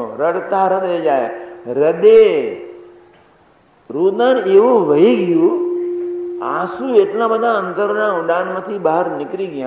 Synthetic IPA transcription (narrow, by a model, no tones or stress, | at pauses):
ɾəɽt̪aːɾəd̪ed͡ʒaːeɾəɗ̪e | ɾuːd̪aneːʋõʋɐiɡɪju | aːsuːeʈlãːɓəd̪ʱãə̃nd̪əɾnãːʊɗaːnmə̃t̪ʰiɓaːəɾnɪkɾiɡɪjã